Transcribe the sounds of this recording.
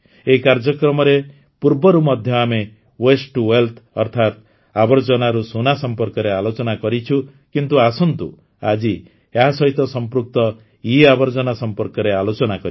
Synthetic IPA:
ekaɾd͡ʒɔkɾɔmɔɾe | puɾbɔɾumɔd̪ʱjɔame | wesʈuwelt̪ʰɔɾt̪ʰat̪ | abɔɾd͡ʒɔnaɾusunasɔmpɔɾkɔɾealot͡ʃɔnakɔɾit͡ʃʰukint̪uasɔnt̪ṵ | a̰d͡ʒi | eɦasɔɦit̪ɔsɔmpɾuk̚t̪ɔ | iabɔɾd͡ʒɔnasɔmpɔɾkɔɾealot͡ʃɔnakɔɾi

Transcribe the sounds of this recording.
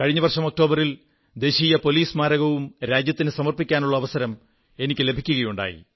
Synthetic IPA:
kɐɻiɲːɐʋɐrʂɐmok̚ʈo̞ːbɐril | d̪e̞ːɕiːjɐpo̞liːsmaːɾɐɣɐʋumɾaːd͡ʑjɐt̪ːinɨsɐmɐrpikʲːaːnuɭːɐːʋɐsɐɾɐm | e̞nikʲːɨle̞bʱikʲːuɣɐjuɳɖa̰ːjḭ

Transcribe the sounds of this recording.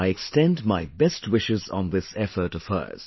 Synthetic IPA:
aɪɛkstɛ̃ndmaɪbɛstwɪʃɪz̃n̩ðɪsɛfə˞tʌfɜ̰˞z̥

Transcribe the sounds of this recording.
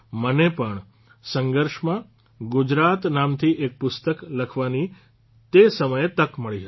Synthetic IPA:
mənepəɳ | sə̃ŋɡəɾʃmã | ɡʊd͡ʒɾat̪namt̪ʰiʔek̚pʊst̪əkləkʰʋani | t̪esəməjet̪əkməɭiɦət̪i

